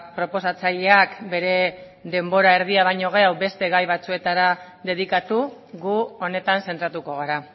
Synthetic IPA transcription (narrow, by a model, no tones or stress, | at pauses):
pɾo̞po̞sat͡saʎe̞akbe̞ɾe̞ | ðe̞mbo̞ɾae̞ɾð̞iaβ̞ajɲo̞ɣ̞e̞awbe̞st̪e̞ɣajβat͡sue̞t̪aɾa | ðe̞ðikat̪uɣuo̞ne̞t̪anse̞nt̪ɾat̪uko̞ɣ̞aɾa